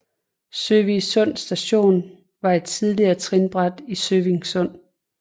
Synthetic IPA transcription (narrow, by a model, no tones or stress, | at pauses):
søʋisɔ̽n̰sd̥æɕo̝̰ːn | ʋɑ̈e̝d̥̚t͡sʰið̞ˠliɐːt͡sʰʁinb̥ʁad̥isøʋiŋsɔ̽n̰